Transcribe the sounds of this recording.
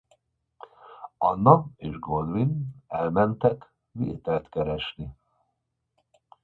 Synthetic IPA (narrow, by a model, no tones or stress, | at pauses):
ɒnːɒeːʒɡorʋinɛlmɛnt̪ɛk | ʋḛːt̪ɛlt̪kɛɾɛʃni